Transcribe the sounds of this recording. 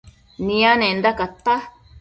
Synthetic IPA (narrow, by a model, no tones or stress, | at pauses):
nĩãnẽnd̪akat̪ːa